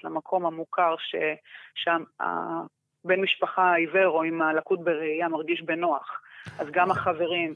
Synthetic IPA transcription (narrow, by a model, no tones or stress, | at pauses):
lamakʰo̞mhamukʰaʁʃe̞ʃama̰ | benmiʃpaχaiveʁo̞imalakut̪̚beʁeijamaʁɡiʃbenoaχʔazɡamaχave̞ʁim